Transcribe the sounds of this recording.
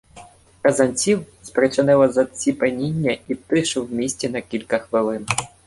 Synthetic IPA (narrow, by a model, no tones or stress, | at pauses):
kɐzɐnʲt͡sʲiw | spɾet͡ʃenɪlˠɐzɐsʲipenʲinʲːɐit̪ɪʃɪwmʲisʲtʲɛnɐkʲilʲkɐxʋɪlˠɪn